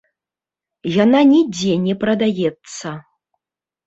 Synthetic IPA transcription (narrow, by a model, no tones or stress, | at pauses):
jananʲid͡zʲɛnʲɛpɾɐd̪ajɛt̪sːɐ